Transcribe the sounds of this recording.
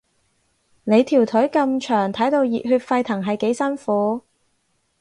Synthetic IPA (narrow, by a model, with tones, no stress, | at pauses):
ne˨˧jt̪ʰiː˨˩wt̪ʰɵ˨˥ɥkɐ˧mt͡ʃʰœː˨˩ŋt̪ʰɐ˨˥jt̪o˧wjiː˨t̚hyː˧t̚fɐ˧jt̪ʰɐ˨˩ŋɦɐ˨jke˨˥jsɐ˥nfuː˨˥